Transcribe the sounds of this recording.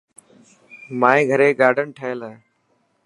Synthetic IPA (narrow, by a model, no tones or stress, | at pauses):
mãːẽːɡʱəɾeːɡaːɖʱəɳʈʰəeləː